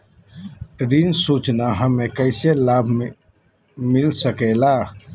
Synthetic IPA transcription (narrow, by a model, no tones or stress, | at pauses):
ɾinsut͡ʃnaɦəmːekəɪselabʱ | milsəkɛla